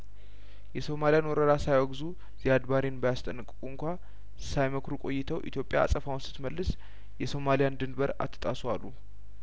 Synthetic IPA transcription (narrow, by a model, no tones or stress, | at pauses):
jɛso̞malijanwɔɾəd̪asajwɔɡzu | z̥ijad̪baɾinbəjast̪ʼənːɨkʼːɨkʼuɨŋkʷʰa | sajməkʰɾukʼo̞̰jːɪt̪ʰəwʔḭt̪ʰjo̞pʼja̰a̰sʼəfawnsɨ̥t̪məlːɨs | jɛso̞malijand̪ɨnbəɾa̰t̪ʰːə̥t̪ʼaswalːu